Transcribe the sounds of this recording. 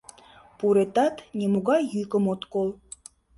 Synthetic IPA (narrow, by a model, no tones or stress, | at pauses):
puɾet̪ɑt̪nʲemuɣɑjjykə̆mot̪kolˠ